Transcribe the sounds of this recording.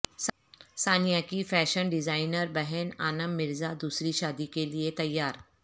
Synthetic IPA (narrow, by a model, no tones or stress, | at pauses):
s | saːnijakifɛːʃənɖɪzaːɪnəɾbɐɦɛna̰ːnəmːɪɾzad̪uːsɾiʃaːd̪ikeliet̪ɐjːaːɾ